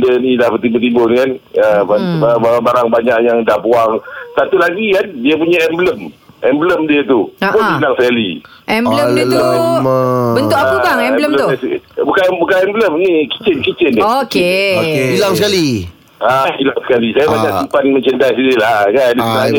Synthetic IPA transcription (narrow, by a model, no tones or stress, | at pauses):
ndənilahbət̪imbət̪̬imbonikanəanbabaabaɾaŋbaɲaʔjaŋdahpuaŋsat̪ulaɡikandiap̬uɲaɛmbləm | ʔɛmbləmdiat̪upʊnilaŋsəkaliʔɛmlət̪u | bəntʊʔaukaŋɛɛlələt̪sbukabukaɛmbləmniki̥t͡ʃɪnkit͡ʃɪndaokkebilaŋsəkali | abilaŋsə̥kalisajabaɲakʔsimpanmə̃ɲt͡ʃəndasidilakandisənaɲa